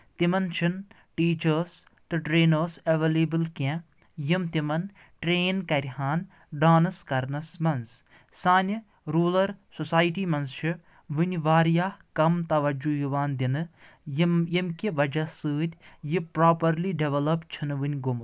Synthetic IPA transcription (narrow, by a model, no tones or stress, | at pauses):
t̪imɐnt͡ʃʰin | ʈiːt͡ʃɐɾs | t̪ɨʈɾeːnɐɾsɐʋeleːbɨlkʲẽ | jimt̪imɐn | ʈɾeːnkɐɾʲiɦaːn | ɖaːnɐskɐɾnɐsmɐns | saːnʲ | ɾuːlɐɾsosaːjʈiːmɐnzt͡ʃʰi | ʋɨnʲʋaːɾjaːkɐmt̪ɐʋɐd͡ʒujiʋaːnd̪ʲinɨjjimkiʋɐd͡ʒɐsɨːd̪ʲjipɾaːpɐɾliɖeʋɐlɐpt͡ʃʰinʋɨnʲɡum